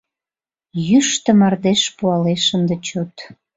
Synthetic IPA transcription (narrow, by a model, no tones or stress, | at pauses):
jyʃt̪ə̆mɑrd̪eʃpuɑleʃənd̪et͡ɕot̪